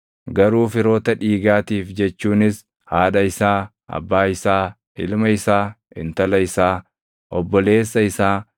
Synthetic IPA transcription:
ɡɐɾuːfɪɾo̞ːt̪ɐᶑiːɡaːt̪iːfd͡ʒɛt͡ʃːuːnɪs | haːᶑɐɪsaː | ʔɐ̰bːaːɪsaː | ʔɪ̰lmɐɪsaː | ɪ̰nt̪ɐlɐɪsaː | ʔɔbːɔle̞ːsːɐɪsaː

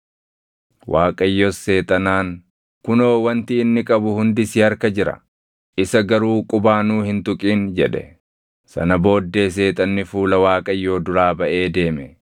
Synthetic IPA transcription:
waːkʼɐjːɔsːe̞ːt̪ʼɐnaːŋ | kʊno̞ːwɐnt̪ɪːnːɪkʼɐbʊhʊnd̪ɪsɪɐɾkɐd͡ʒɪɾɐ̰ | ʔɪsɐɡɐɾuːkʼʊbaːnuːhɪnt̪ʊkʼiːnd͡ʒɛᶑɛ | sɐ̰nɐbo̞ːd̪ːe̞ːs̬e̞ːt̪ʼɐnːɪfuːlɐwaːkʼɐjːo̞ːd̪ʊɾaːbɐʔe̞ːd̪e̞ːmɛ

